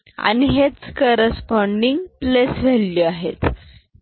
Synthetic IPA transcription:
a̰niɦet͡skəɾəspɔɳɖiŋɡplesʋelliuaɦḛt̪

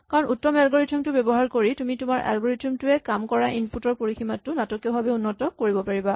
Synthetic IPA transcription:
kaɹɔnutːɔmɛlɡoɹitʰumtʊbebɔɦaɹkoɹitumitʊmaɹʔa̰lɡoɹitʰumtʊɛkamkɔɹaʔinputɔɹpoɹiximatːʊnatɔkiɔbʱabɛunːɔtɔkoɹibɔpaɹiba

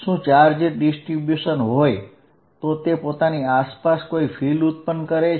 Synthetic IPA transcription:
ʃũt͡ʃaɾd͡ʒeʈ̚ɖisʈɾibjuʃənɦoj | t̪ot̪epot̪aniaspaskoifʰilut̪̚pənkəɾe

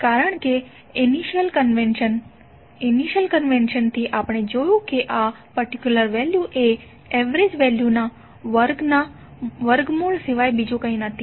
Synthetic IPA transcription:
kaɾəɳ̃ke | niʃəlkənʋenən | iniʃəlkənʋenʃənt̪ʰiʔapɽ̃ed͡ʒojũkeʔa | pəɾʈikjuləɾʋɛljuʔe | ɛʋɾed͡ʒʋɛljuna | ʋəɾɡna | ʋəɾɡmulseʋajbid͡ʒõkəĩnət̪ʰːi

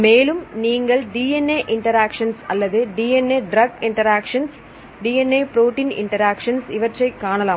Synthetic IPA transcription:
meːlɯmniːŋɡɐɭɖiːenːeʔɪɳʈɐɾaːkʂɐnsɐlːɐðɯɖiːenːeɖɾɐɡɪɳʈɐɾaːkʂɐns | ɖiːenːeːpɾoːʈiːnɪ̰ɳʈɐɾaːkʂɐnsiʋɐʈrɐɪkːaːɳɐlaːm

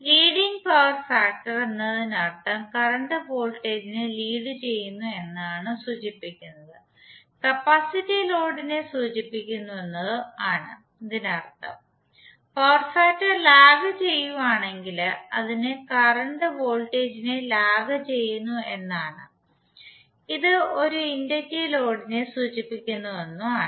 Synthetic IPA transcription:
liːɽiŋɡpɐʋɐrfaːk̚ʈɐrenːɐðinɐrt̪ːɐmkɐrɐɳɖɨbo̞ːlʈe̞ːd͡ʑineliːðɨt͡ɕe̞jːunːue̞nːaːɳɨsuːd͡ʑipːikʲːunːɐðɨ | kɐpːɐsitːilo̞ːɽinesuːd͡ʑipːikʲːunːue̞nːɐðɨaːɳɨ̰ | ɐðinɐrt̪ːɐ̰m | poːrsaːtːɨlaːɡɐt͡ɕe̞jːuʋaːɳe̞ŋɡilɐðinekɐrɐɳɖɨʋo̞ːlʈe̞ːd͡ʑinelaːɡɐt͡ɕe̞jːunːue̞nːaːɳɨ | iðɨo̞ɾuindɐtːilo̞ːɽine̞suːt͡ɕipːikʲːunːuʋenːuaːɨ

